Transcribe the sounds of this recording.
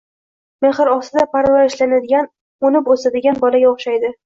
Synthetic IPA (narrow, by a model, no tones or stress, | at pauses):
me̞χɪɾɒsɪd̪apaɾvaɾɪʃlanad̪ɪɡʲan | onɪposad̪ɪɡʲanbɒlaɡʲaoχʃajd̪ɪ